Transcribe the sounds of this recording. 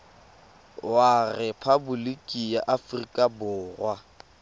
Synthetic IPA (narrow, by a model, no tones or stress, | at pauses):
warɛpʰabulikʼijaʔafrikʼabʊːrwa